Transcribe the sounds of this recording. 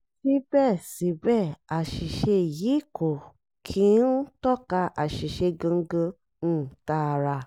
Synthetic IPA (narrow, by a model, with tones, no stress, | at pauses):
si˦bɛ˦˨si˨˦bɛ˦˨a˨ʃi˨ʃe˧jiː˨˦kʰo˨ | kʰĩ˨˦n̩˦tɔ˦˨ka˧ʔa˨ʃi˨ʃe˧ɡã˧˦ɡã˧ | ñ̩˦˨ta˧ɾa˧˨